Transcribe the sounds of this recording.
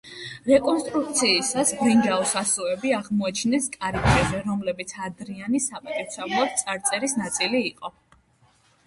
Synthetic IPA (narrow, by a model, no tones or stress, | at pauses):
ɾɛkʼɔnst̪ʼɾuk̚t̪sʰiːsasbɾiŋɡaɔsasuɛbiaʁmɔɛt͡ʃʰnɛskʼaɾipʰɾɛzɛɾɔmlɛbit̪sʰad̪ɾianisapʼat̪ʼiɾt̪sʰɛblˠɔd̪̚t̪sʼaɾt̪sʼɛɾisnat̪sʼiliːqʼɔ